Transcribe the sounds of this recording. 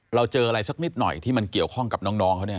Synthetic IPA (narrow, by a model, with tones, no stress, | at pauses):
ɾa˧wt͡ɕɤː˧ʔa˧ɾa˧jsa˦˥k̚ni˦˥t̪̚nɔ̰˨˩jt̪ʰiː˥˩ma˧nki˨˩əwkʰɔ˥˩ŋka˨˩nɔː˦˥ŋnɔː˦˥ŋkʰa˦˥wni˥˩